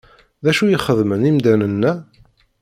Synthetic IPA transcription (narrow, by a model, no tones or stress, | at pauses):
ðæʃujəχəðmənimd̪ænənːæ